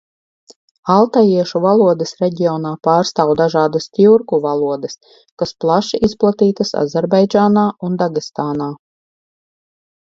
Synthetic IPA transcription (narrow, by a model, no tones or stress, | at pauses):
alˠt̪ajiɛʃuvalˠuɔd̪ɐsɾɛɟʲiɔːnaːpaːɾst̪aːwd̪aʒaːd̪ast̪ʲiuɾkuvalˠuɔd̪ɐs | kasplˠaʃiʔisplˠat̪iːt̪asa̰zɛɾbajd͡ʒaːnaːund̪aɡist̪aːnaː